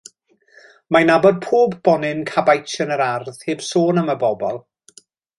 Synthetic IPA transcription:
manabɔd̚pʰoːbːɔnɪnkʰabajt͡ʃənəɾarð̥heːb̥soːnəməbɔbɔlˠ

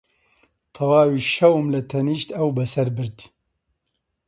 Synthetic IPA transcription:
t̪ʰɐwaːwiːʃɐwmlɨt̪ʰɛniːʃt̪ɐwbɛsɛɾbɨɾt̪

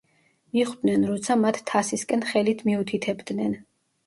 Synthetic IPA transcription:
miχwd̪nɛnɾɔt̪sʰamat̪ʰt̪ʰːasiskʼɛnχɛlit̪ʰmiut̪ʰit̪ʰɛbd̪nɛn

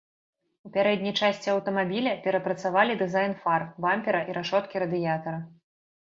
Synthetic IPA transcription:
upʲaɾɛd̪ʲnʲijt͡ʂasʲt͡sʲiɐwt̪ɐmabʲilʲɐpʲɛɾɐpɾɐt̪savalʲid̪ɨzajnfarbamʲpʲɛɾɐʔiɾʔaʂɔt̪kʲiɾɐd̪ɨjat̪ɐɾɐ

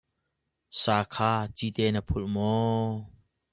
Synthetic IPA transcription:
saːkʰaːt͡sit̪ɛnapʰʊlmɔ

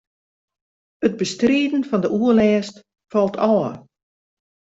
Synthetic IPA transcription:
əd̚bəstriədn̩fɔndəʔuəlɛːst | fɔlˠtʰɔːə

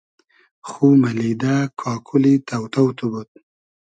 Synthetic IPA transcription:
xumalid̪akʰɑːkʰulit̪awt̪awt̪ubut̪̚

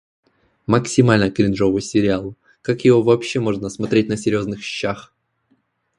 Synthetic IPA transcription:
məksʲɪmalʲnəkɾʲɪnʐo̞vɨjsʲɪɾʲɪalˠ | kakjɪvovɐpɕːe̞mo̞ʐnəsmɐt̪ɾʲet̚ʲnəsʲɪɾʲjo̞znɨxɕɪ̥ɕːax

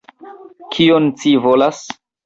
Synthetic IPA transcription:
kʰiont͡sivolas

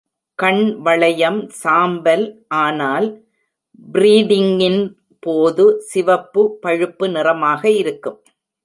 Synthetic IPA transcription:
kɐɳʋɐɭɐjɐmsaːmbɐlʔaːnaːl | bɪɾiːɽɪŋɪn | poːðɯsɪʋɐpːɯpːɐɻɯpːɯnɪrɐmaːɣɐɪɾɯkːɯm

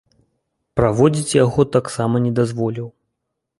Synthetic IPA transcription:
pɾavɔd͡zʲit͡sʲjaɣɔt̪aksamɐnʲɛd̪azvɔlʲiw

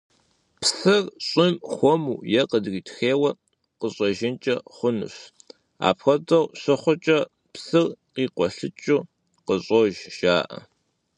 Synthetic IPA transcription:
psɨrɕʼɪmχʷɔmuːjɛqədɣiːtʰxeːwɐ | qəɕʼɔʒɪnt͡ʃʼɐχʷʊnɨ̰ɕ | a̰ːpxʷɐdɐwɕʷɨχʷɔt͡ʃʼɐ | psɨrqiːqʷɔɬɨt͡ʃʼuː | qəɕʼoʒʒ̥aːʔɐ̰

